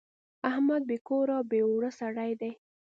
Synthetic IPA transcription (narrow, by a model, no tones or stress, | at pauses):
ahmad̪̚bekoɾɑbeoɽəsaɽajd̪aj